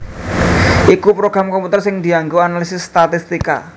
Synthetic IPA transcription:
ʔikupɾoɡ̥ɾamkomput̪ərsɪŋd̪̥iaŋɡoanalisɪsːt̪at̪ist̪ika̰

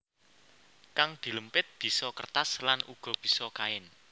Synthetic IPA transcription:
kaŋd̪̥i̤ləmpɪt̪̚b̥i̤sɔkərt̪aslanʔuɡ̥ɔ̤b̥i̤sɔkaɪn

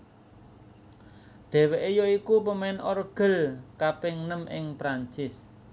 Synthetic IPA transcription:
ɖ̪̥ɛ̤weʔejoikupəmɛnʔɔɾɡ̥ə̤lkapɪŋnəmɪ̰ŋpɾaɲt͡ʃɪs

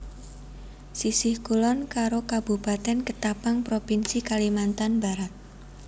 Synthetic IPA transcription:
sisɪhkulɔnkaɾokab̥upat̪ɛnkət̪apaŋpɾopinsikalimant̪anba̤ɾat̪̚

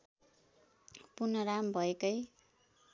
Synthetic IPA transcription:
purnʌɾambʱʌekʌj

